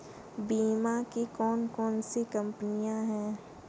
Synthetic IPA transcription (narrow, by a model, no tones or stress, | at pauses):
biːmakikɔːnkɔːnsikɐ̃mpənijãɦɛ̃ː